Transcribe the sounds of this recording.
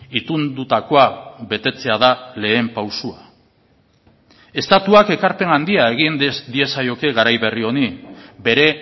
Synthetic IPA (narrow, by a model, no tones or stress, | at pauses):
it̪und̪ut̪ako̞aβe̞t̪e̞t͡se̞aðale̞ːmpawsua | e̞st̪at̪uake̞kaɾpe̞nand̪iae̞ɣ̞ind̪ie̞sajo̞ke̞ɣaɾajβe̞rio̞nibe̞ɾe̞